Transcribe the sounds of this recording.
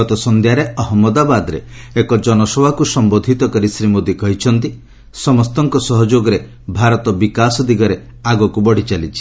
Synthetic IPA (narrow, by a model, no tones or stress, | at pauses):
ɔt̪ɔsɔnd̪ʱjaɾeɔɦɔmːɔd̪abad̪ɔɾḛekɔd͡ʒɔnɔsɔbʱakusɔmbod̪ʱit̪ɔkɔɾisɾimod̪ikɔɦit͡ʃʰɔnt̪i | sɔmɔst̪ɔŋkɔsɔɦɔd͡ʒoɡɔɾe | bʱaɾɔt̪ɔbikasɔd̪iɡɔɾe | aɡɔkubɔɽ̤it͡ʃalit͡ʃʰi̥